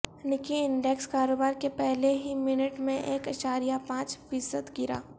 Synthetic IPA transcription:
nɪkiɪɳɖekskaːɾoːbaːɾkepɛɦleɦimɪnəʈmẽʔeːkɐʃaːɾijapãːt͡ʃfiːsəd̪ɡɪɾa̰ː

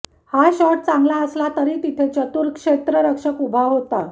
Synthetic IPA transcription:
haɕɔʈ̚t͡sãŋɡlaəslat̪əɾiːt̪it̪ʰet͡ɕət̪uɾkʂet̪ɾəɾəkʂəkubʱaɦot̪a

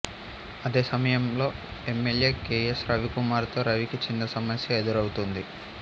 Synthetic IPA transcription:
ɐd̪e̞ːsɐmɐjɐmlo̞ːe̞mːelje̞ːkeːesɾɐʋikumaːɾt̪o̞ːɾɐʋikit͡ʃind̪ɐsɐmɐsjɐed̪ɐɾɐwut̪und̪i

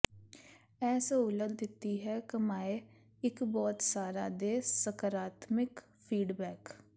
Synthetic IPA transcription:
ɛːsoʊləd̪d̪ɪt̪ːiːɦɛːkəmaːe | ɪkbɔːt̪saːɾaːd̪eːsəkəɾaːt̪mɪk | pʰiːɖbɛːk

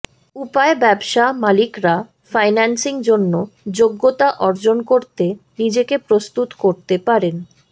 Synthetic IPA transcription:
upaebɛbʃamalikɾa | fajnansiŋd͡ʑonːod͡ʑoɡːot̪aʔɔɾd͡ʑonkoɾt̪enid͡ʑekepɾost̪ut̪koɾt̪epaɾen

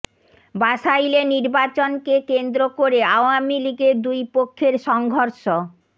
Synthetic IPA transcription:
baʃajleniɾbat͡ɕonkekend̪ɾokoɾeawamiliɡeɾd̪ujpokʰːeɾʃɔŋɡʱoɾʃo

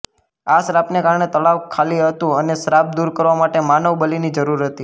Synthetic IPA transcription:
asɾapnekaɾɳet̪əɭaʋkʰaliɦət̪ũənesɾap̚d̪uɾkəɾʋamaʈemanəʋbəlinid͡ʒəɾuɾɦət̪i

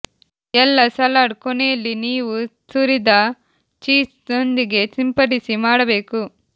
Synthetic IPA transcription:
ɛlːɐsɐlaɽkɔnejɐlːiniːʋusuɾid̪ɐ | t͡ʃiːsnond̪iɡe̞simpɐɾisimaːɽɐbe̞ːku

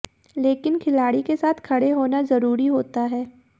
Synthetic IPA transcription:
leːkɪnkʰɪlaːɽikesaːt̪ʰkʰɐɽeɦoːnazɐɾuːɾiɦoːt̪aɦɛː

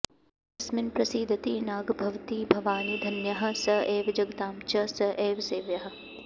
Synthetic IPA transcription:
ɐsmɪnpɾɐsiːd̪ʱɐt̪iːnaːɡbʱɐʋt̪iːbʱɐʋaːnid̪ʱɐnjɐɦɐ̆sɐeːʋd͡ʒɐɡd̪aːmt͡ʃɐsɐʔeːʋseːʋjɐɦɐ̆

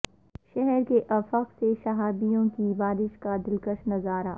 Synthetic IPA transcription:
ʃɛɦɛɾkeʔɐfəqseʃɐɦaːb̪ijõkibaːɾɪʃkad̪ɪlkəʃnɐzaːɾaː

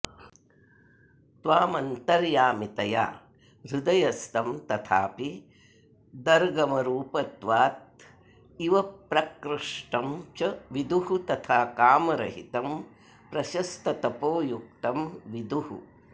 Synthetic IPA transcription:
t̪ʋaːmɐnt̪ɐɾjaːmit̪ɐja̰ː | ɾud̪ɐjɐst̪ɐmt̪ɐt̪ʰa̰ːpi | d̪ɐɾɡɐmɐɾuːpɐt̪ʋaːt̪̚ | iʋɐpɾɐkɾɨʂʈɐmt͡ʃɐʋid̪uɦut̪ɐt̪ʰaːkaːmɐɾɐɦit̪ɐm | pɾɐʃɐst̪ʰɐt̪ɐpoːjuk̚t̪ɐmʋid̪uhṵ

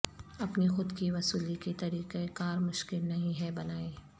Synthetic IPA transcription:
ɐpnixʊd̪kiʋɐsuːliket̪ɐɾiːqekaːɾmʊʃkɪlnɐɦĩɦɛbɐnaːeː

